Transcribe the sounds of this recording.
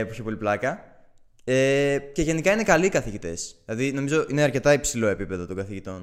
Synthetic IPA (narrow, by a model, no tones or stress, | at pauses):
puçepo̞liplɐkɐ | ece̞ʝe̞nikɐine̞kɐlikɐθiʝit̪e̞sðilɐðino̞mizo̞ʔine̞ɐɾce̞t̪ɐipsilo̞e̞pipe̞ðo̞t̪o̞ŋɡɐθiʝit̪o̞n